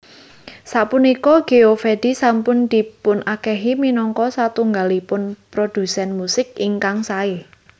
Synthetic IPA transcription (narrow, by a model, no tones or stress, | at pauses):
saʔpunikɔɡ̥eofed̥isampʊnd̪̥i̤pʊnʔakɛɦiminɔŋkɔsat̪uŋɡalipʊnpɾod̥ṳsɛnmusɪk̚iŋkaŋsae